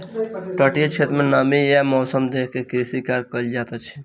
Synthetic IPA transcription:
ʈəʈiet͡ʃʰet̪ɾmenamijemɔːsəmd̪ekʰkekɾisikaɾkəld͡ʒat̪ət͡ʃʰi̥

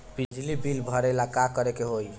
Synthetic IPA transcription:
b̥id͡ʒlibilbʱɔɾelakakɔɾekeɦoj

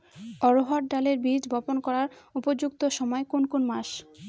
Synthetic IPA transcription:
ɔɾoɦaʈ̚ɖaleɾbid͡ʑbɔponkɔɾaɾupod͡ʑuk̚t̪oʃɔmɔekonkonmaʃ

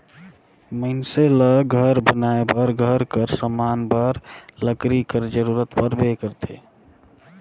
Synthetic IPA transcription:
məɪnseləɡʱəɾbənaebəɾɡʱəɾkəɾsəmaːnbəɾləkɾikəɾd͡ʒəɾuɾət̪pəɾbekəɾt̪ʰḛ

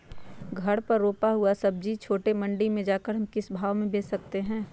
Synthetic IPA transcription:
ɡʱɐɽpɐɾːoːpaɦʊasɐb̚d͡ʒit͡ʃʰoːʈemɐ̃ɳɖimẽd͡ʒaːkəɾɦɐmkɪsbʱaːʋmẽbeːt͡ʃsɐk̚t̪eɦɛ̃ː

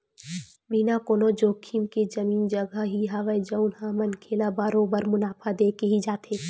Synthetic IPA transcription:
binakoːnod͡ʒoːkʰimked͡ʒɐmiːnd͡ʒɐɡaɦiɦaːʋəjd͡ʒəʊnhaːmənkʰeːlabaɾoːbəɾmʊnaːfʰad̪eːkeɦid͡ʒaːt̪eː

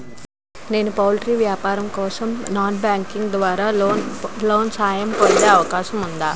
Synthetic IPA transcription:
ne̞ːnupaːlʈɾiːʋjaːpaːɾɐmkɔːsɐmnaːnbaːŋkiŋɡd̪ʋaːɾaː | lo̞ːnsaːjɐmpond̪eːɐʋɐkaːʃɐmund̪aː

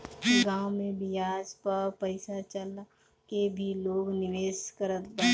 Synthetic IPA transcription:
kiɡãːwmẽbɪjaːd͡ʒpɐɾpəɪsat͡ʃəl | kebʱiloːɡnɪʋeːskəɾət̪baː

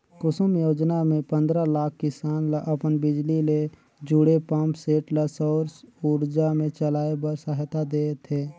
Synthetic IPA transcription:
kʊsəmjoːd͡ʒnamẽpə̃nd̪ɾalaːk̚ʰkɪsaːnlaʔəpənbɪd͡ʒlile | d͡ʒuɽepãːmpseːʈləsɔːɾsuːɾd͡ʒamẽt͡ʃəlaːebəɾsəɦt̪ad̪eːt̪ʰeː

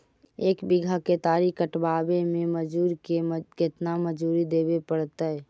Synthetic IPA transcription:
eːkbɪɡʱaket̪aːɾikəʈbaːbemẽməd͡ʒuːɾkekɪt̪naməd͡ʒuːɾid̪eːbepəɽt̪aɛ

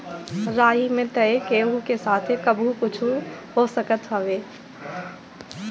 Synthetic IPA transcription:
ɾaːimẽt̪ɐekeːɦukesaːt̪ʰkɐbʱukʊt͡ʃʰuɦoːsɐkət̪ɦɐʋeː

